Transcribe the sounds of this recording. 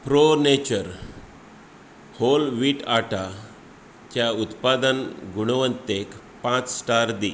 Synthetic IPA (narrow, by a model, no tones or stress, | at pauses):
pɾonet͡ɕəɾ | holʋiːʈaʈa | kjaut̪pad̪ənɡuɽ̃ʋənt̪ek | pãt͡ssʈaɾd̪i